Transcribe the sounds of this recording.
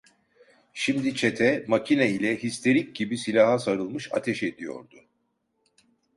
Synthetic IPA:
ʃimd̪it͡ʃʰet̪ʰɛmacʰinɛilʲɛhist̪ʰe̞ɾic̚ɟibisilʲaːhasaɾɯlˠmɯʃa̰t̪ʰɛʃed̪ijo̞̰ɾd̪ʊ

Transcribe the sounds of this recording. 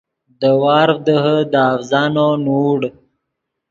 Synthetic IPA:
d̪əwɑːɾd̪əɦəd̪əafzɑːnonuɽ

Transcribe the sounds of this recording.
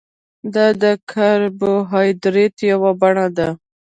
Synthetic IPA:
d̪ɑd̪əkʰaɾboɦɑjd̪ɾet̪jawabaɳad̪a

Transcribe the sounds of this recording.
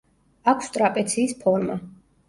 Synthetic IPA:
akʷʰst̪ʼɾapʼɛt̪sʰiːspʰɔɾma̰

